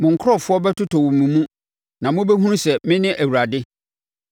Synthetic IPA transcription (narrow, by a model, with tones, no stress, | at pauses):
mʊ̃˨ŋ˨kʰʊ˦ɔ˦˨fʊ˦ɔ˦bɛ˦tʰʊ˦tʰɔ˨wʊ̃˨mmũ˨mũ˦ | nã˨mʊ̃˦be˦ɦũ˦ũ˦sɛ˨mɪ̃˦nɪ̃˦ʔæ˨wu˨ɾa˨dɪ˦